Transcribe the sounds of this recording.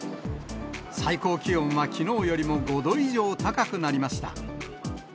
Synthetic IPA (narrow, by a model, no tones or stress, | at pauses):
saiko̞ːkʲiõ̞ɰ̃βakʲino̞ːjo̞ɾʲimo̞ɡo̞d̪o̞iʑo̞ːt̪akakɯ̟naɾʲimaɕi̥t̪a̰